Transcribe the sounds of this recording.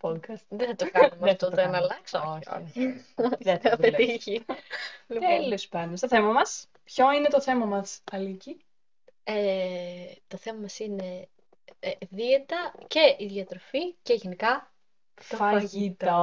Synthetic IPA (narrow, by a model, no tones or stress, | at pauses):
pod̪kɐst̪ðeθɐt̪okɐnumeɐt̪ot̪enɐlɐksooo̰ | eɐpet̪içi | lielospɐnost̪oθe̞mɐmɐs | pço̞ine̞t̪o̞θe̞mɐmɐsɐlici | e | t̪o̞θemɐmɐsine̞ | ðiet̪ɐce̞ʔiðjɐt̪ɾoficeʝenikɐ | fɐfɐʝit̪ɐ